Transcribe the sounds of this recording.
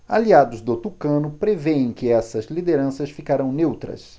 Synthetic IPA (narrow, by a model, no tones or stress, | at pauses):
aliad̪ʊzd̪ot̪ukɐ̃nʊpɾeveẽj̃kɪɛsɐzlid̪eɾɐ̃sɐsfikaɾɐ̃w̃newt̪ɾɐ̰s